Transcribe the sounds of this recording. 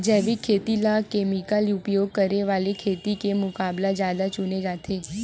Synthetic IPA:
d͡ʒɛʋikʰet̪ilakemikəliupjoɡ̚kəɾeʋalikʰet̪ikemʊkablad͡ʒad̪at͡ʃuned͡ʒat̪ʰe

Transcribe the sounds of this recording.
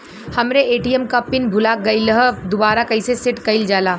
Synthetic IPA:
hɐmɾeʔeːʈiɛmkapɪnbʱʊlaɡɐɪləɦəd̪ʊbaːɾakɐɪsesɪʈkɐɪld͡ʒaːlaː

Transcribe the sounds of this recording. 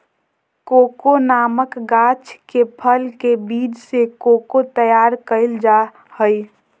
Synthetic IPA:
kokonaməkɡat͡ʃʰkepʰəlkebiːd͡ʒsekokot̪əjaɾkəɪld͡ʒa | həj

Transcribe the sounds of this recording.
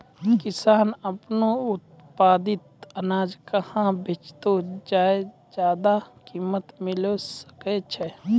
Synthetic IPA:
kɪsaːnəpnoʊt̪̚ | paːd̪ɪt̪ənaːd͡ʒkəhãbʱet͡ʃt̪od͡ʒaːe | d͡ʒjaːd̪akiːmət̪mɪlosə̥ket͡ʃʰɛ

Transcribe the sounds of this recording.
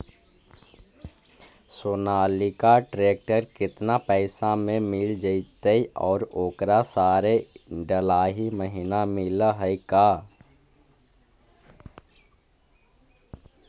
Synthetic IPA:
soːnaːlikaʈɾeːk̚ʈəɾkɪt̪napɛːsamẽmɪld͡ʒəit̪əiɔːɾoːkɾasaːɾeɖəlaːɦiməɦɪnamɪlɦəikaː

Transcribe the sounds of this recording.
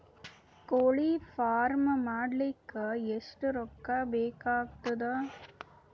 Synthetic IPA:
koɭifaːɾmɐmaːɽlɪkːɯɛsʈɯɾɔkːaːbeːkaːkt̪ɯd̪ɐ

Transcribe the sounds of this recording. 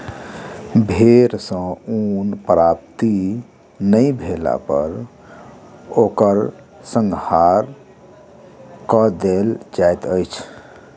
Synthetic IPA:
bʱeɾsə̃unpɾap̚t̪i | nəjbʱela̰pə̰ɾ | okəɾ | sə̃ŋɡhaɾ | kəd̪eld͡ʒajt̪əjt͡ʃʰ

